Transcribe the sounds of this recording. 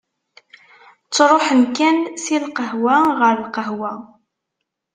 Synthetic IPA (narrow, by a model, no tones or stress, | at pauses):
t͡sːɾˤoħənkænsilqəɦwæʁəɾˤəlqəɦwæ